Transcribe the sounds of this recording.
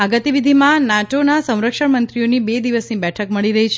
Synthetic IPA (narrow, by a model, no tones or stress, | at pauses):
aɡət̪iʋid̪ʱimãnaʈonasə̃w̃ɾəkʃəɳmənt̪ɾijonibed̪iʋəsnibɛʈʰəkməɭiɾəɦit͡ʃʰ